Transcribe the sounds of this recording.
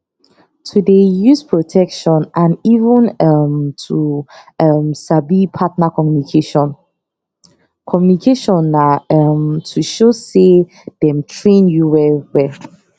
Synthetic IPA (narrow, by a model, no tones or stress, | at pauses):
tʰudejuspʰɹotʰɛkʃɔ̃nãnivə̃namtʰuamsabipʰatnakʰɔmjunikʰeʃɔ̃n | kʰɔmjunikʰeʃɔ̃naamtʰuʃose | d̥ɛ̃mtʰɹẽnjuwɛwɛ